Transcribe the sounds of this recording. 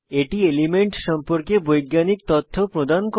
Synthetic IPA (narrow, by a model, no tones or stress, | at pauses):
eʈielimeɳʈʃɔmpoɾkebojɡːanik̚t̪ɔt̪ʰːopɾod̪ʱanko